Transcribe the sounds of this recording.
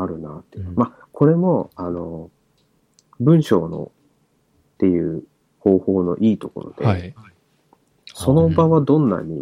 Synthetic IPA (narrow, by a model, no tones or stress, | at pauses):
aɾɯ̟nat̪ːema | ko̞ɾe̞mo̞ano̞ | bɯ̟̃ɰ̃ɕo̞ːno̞̰ | t̪ːe̞jɯ̟ː | ho̞ːho̞ːno̞̰ʔiːt̪o̞ko̞̰ɾo̰d̪e̞ | so̞no̞baβad̪õ̞nːa̰ɲ̟ḭ